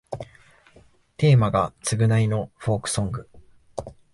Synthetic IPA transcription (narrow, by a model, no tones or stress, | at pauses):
t̪e̞ːmaɡat͡sɨɡɯ̟naino̞ɸo̞ːkɯ̟̥sõ̞ŋɡɯ̟